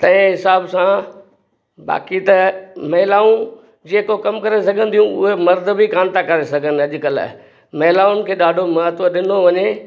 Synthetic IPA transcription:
t̪ɐ̃ɦɪ̃ɦɪsaːbsã | ba̰ːkit̪ɐmɐɦɪlaːũ | d͡ʑeːkokɐmkɐɾesɐɡʱə̃nd̪ijũʊ̰ɦemɐɾd̪ʱbʱikaːnt̪akɐɾesɐɡʱənɪ̆ɐʄʊkəl̰ | mɐɦlaːʊnɪ̆kʰeːɗaːɖʱomɐɦət̪əɗɪnoʋɐɲe

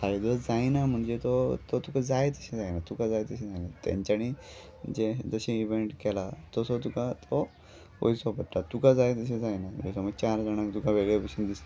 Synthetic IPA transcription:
kaɾid͡zɔd͡zajnam̤əɳd͡zet̪ot̪ot̪ukad͡zajet̪əɕẽd͡zajnat̪ukad͡zajt̪əɕẽd͡zajnat̪jã̰ɲt͡ɕaɽ̃i | d͡ʑed͡zəɕeiʋeɳʈkɛlat̪ɔsot̪ukat̪ʰo | o̰jsɔpəʈːat̪ukad͡zajt̪̬əɕ̬ẽd͡zajnamesɔməɡt͡ɕaɾd͡zaɽ̃akt̪ukãʋeɡɭjepəɕiːnd̪ist̪

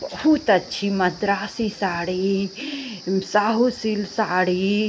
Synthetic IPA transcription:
bɐhut̪ɐtːʃʰimɐd̪ɾaːsisaːɽi | saːɦusilsaːɽi

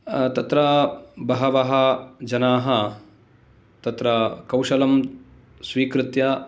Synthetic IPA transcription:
t̪ɐt̪ɾɐbɐɦɐʋɐɦɐd͡ʒɐnaːɦɐ | t̪ɐt̪ɾɐkɐwʃɐlɐm | sʋiːkɾɪt̪jɐ

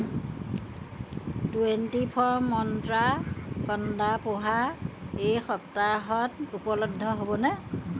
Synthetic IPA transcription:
tuentipʰɔɹmːɔntɹakɔndapoɦaejxɔp̚taɦɔtupɔlɔɡ̚dʱːɔɦobɔnɛ

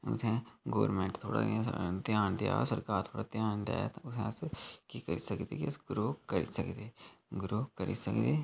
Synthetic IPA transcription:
ʊ̰t̪ʰɛ̃ːɡoːəɾmɛ̃ːɳʈt̪ʰo̰ːɽa̰ːt̪jaːnd̪ɪja̰ːsəɾkaːɾt̪ʰoːɽaːt̪jaːnd̪a̰ːɛːt̪ãːʊsʰɛ̃ːskiːkəɾiːsəkd̪ḛːkɪəsɡɾoːkəɾḭːsəkd̪eːɡɾoːkəɾiːsəkd̪eː

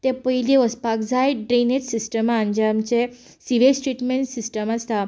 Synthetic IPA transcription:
t̪ɛ̃pəɦileəspakd͡zajɖɾenet̪sisʈəmand͡ʑamt͡ɕe | siʋesʈɾiʈmeɳʈsisʈəmast̪a

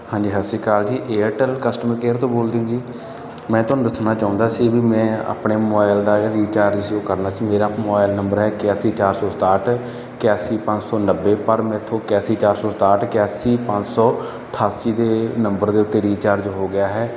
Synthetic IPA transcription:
hãːɲd͡ʒiːɦəsiːkaːld͡ʒiːʔeːəʈəlkəsʈəmɾkeːɾt̪õːboːld̪eːũːd͡ʒiː | mɛ̃ːt̪ʊaːnũd̪ɪt̪ʰnaːt͡ʃaːʊ̃nd̪aːsiːbiːmɛ̃ːa̰ːpɳeːmɔːɪld̪aːɾiːt͡ʃaːɾd͡ʒʃjoːkəɾnaːt͡ʃiːmeːɾaːmɔːɪlnəmbəɾɦɛːkɪjaːsiːt͡ʃaːɾsɔːst̪aːʈʰ | kaːsiːpə̃ɲd͡ʒsɔːnəbːeːpəɾmɛ̃ːt̪ʰːõːkɛːsiːt͡ʃaːɾsɔːst̪aːʈkaːsiːpə̃ɲd͡ʒsɔː | əʈʰaːsiːd̪eːnəmbəɾd̪eːʊt̪ːeːɾiːt͡ʃaːɾd͡ʒɦoːɡɪjaːɦɛː

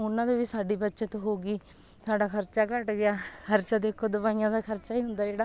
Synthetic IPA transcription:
ʊnːãːd̪eːʋiːsaːɖiːbətːʃãːt̪õːɦoːɡiː | saːɖaːkʰəɾt͡ʃaːkəʈɡɪaːkʰəɾt͡ʃaːd̪eːkʰːoːd̪ʊbaːijãːd̪aːkʰəɾt͡ʃaːiːɦʊnd̪aːd͡ʒeːɽaː

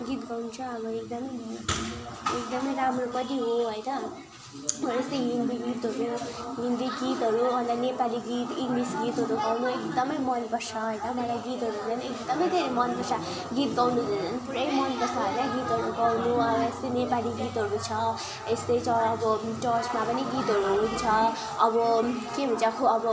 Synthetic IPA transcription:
ɡit̪ɡawnut͡sʰũʌbʌek̚d̪ʌmʌjmʌ | ek̚d̪ʌmʌjɾamrobʌd̪iɦoɦojnʌ | ʌest̪ʌjɦind̪iɡit̪ɦʌɾuɦind̪iɡit̪ɦʌɾuɦʌnd̪anepaliɡit̪iŋɡlisɡit̪ɦʌɾuɡawnuekd̪ʌmʌjmʌnbʌrsʰʌɦʌjnʌbaɽ̃aɡit̪ɦʌɾund͡zʌnek̚d̪ʌmʌjd̪ʱeɾemʌnbʌrsa | ɡit̪ɡawnud̪ʌnd͡zʌnpuɾʌjmʌnbʌsaɦojnʌɡit̪ɦʌɾuɡawnuʌest̪ʌjnepaliɡit̪ɦʌɾut͡sʰʌ | est̪ejt͡sʰʌːbʌʈʌt͡ʃmapʌniɡit̪ɦʌɾuunt͡sʰʌ | ʌbʌkebʱunt͡sakʰoʌbʌ

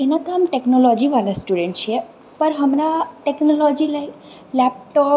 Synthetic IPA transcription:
enakamʈeknɔlɔd͡ʒiʋalasʈuɖeɳʈt͡ʃʰie | pəɾɦəmɾaʈeknɔlɔd͡ʒilaj | lɛp̚ʈɔ

